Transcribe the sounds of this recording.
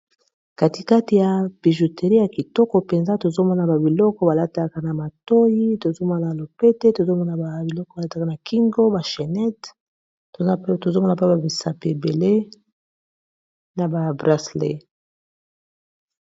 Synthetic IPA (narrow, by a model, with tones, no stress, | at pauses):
ka˨ti˨ka˦ti˨ja˨pi˨ʒu˨tʰe˨ʁi˦ja˨ki˨tɔ˦kɔ˨pe˨nza˦to˨zo˦mɔ˦na˨ba˨bi˨lɔ˦kɔ˦ba˨la˦ta˦ka˦na˨ma˨to˦ji˦to˨zo˦ma˦na˨lo˨pe˦te˦to˨zo˦mɔ˦na˨a˨bi˨lɔ˦kɔ˦ba˨la˦ta˨ka˦na˨kʰi˦ŋɡo˦ba˨ʃe˨nɛ˦t | o˨to˨zo˦mɔ˦na˨pba˨bi˨sa˨pe˨be˨le˦ | na˨ba˨bʁa˦slḛ˨